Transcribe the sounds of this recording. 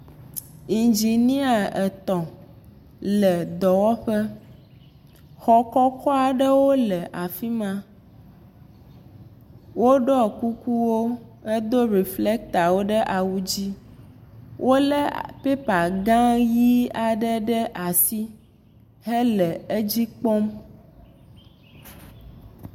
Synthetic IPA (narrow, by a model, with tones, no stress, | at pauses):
i˨nd͡ʒi˨nĩ˦a˨ɛ˨t̪ɔ̃˨ | lə˨d̪ɔ˨wɔ˦ɸə˦ | xɔ˨kɔ˦kɔ˦a˨ɖə˦wo˦lə˨ʔa˨fi˦mã˦ | wo˦ɖɔ˦˨ku˦ku˦wo˦e˦d̪o˦ɾi˨fle˦k̚t̪a˨wo˦ɖɛ˦ʔa˨wu˦d͡ʑi˦ | wʔo˦lɛ˦pe˦pa˨ɡã˦ji˦a˨ɖɛ˦ɖɛ˦ʔa˨si˦ | ɦɛ˦lɛ˨e˦d͡ʑi˦k͡pɔ˦m